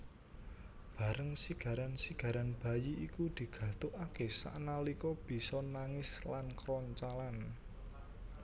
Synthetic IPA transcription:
b̥ä̤ɾəŋsiɡ̥ä̤ɾansiɡ̥a̤ɾanb̥a̤jiikud̪̥i̤ɡ̥ä̤t̪ʊʔakesa̰ʔnalikɔb̥i̤sɔnaŋɪslankɾɔɲt͡ʃalan

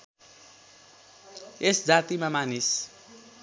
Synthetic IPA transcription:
esd͡zat̪imamanis

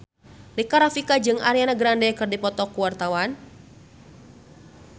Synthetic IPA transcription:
rikaɾafikad͡ʒɨŋa̰ɾianaɡɾandɛkɨrdipɔt̪ɔkuwart̪awan

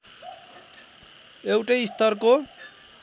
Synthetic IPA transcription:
ewʈʌjist̪ʌrko

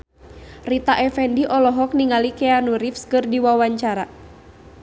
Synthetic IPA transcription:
rit̪aʔɛfɛndiʔɔlɔɦɔk̚niŋalikɛanuɾifskɨrdiwawaɲt͡ʃaɾa

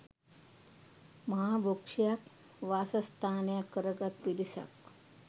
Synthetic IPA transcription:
məɦabokʂjak | ʋasəst̪ʰanjakəɾəɡat̪̚pilisa̰k

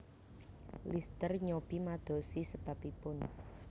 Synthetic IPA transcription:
list̪ərɲob̥imad̪̥o̤sisəb̥a̤pipʊn

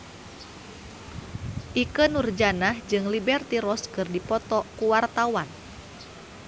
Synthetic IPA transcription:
ʔikənurd͡ʒanahd͡ʒɨŋlibɛrt̪iɾɔskɨrdipɔt̪ɔkuwart̪awan

